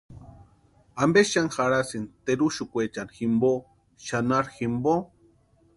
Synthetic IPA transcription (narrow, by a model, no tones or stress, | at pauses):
ambeanxaɾasint̪eɾuʃukʷet͡ʃanximbo | ʃanaɾximbo